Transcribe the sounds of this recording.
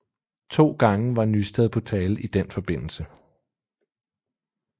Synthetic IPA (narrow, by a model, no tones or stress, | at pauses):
t͡sʰo̝̰ːɡ̥ɑ̈ŋəʋɑ̈nysd̥eð̩ˠpʰɒ̽t͡sʰɛːlʔid̥enfɒ̽b̥e̝n̰l̩sə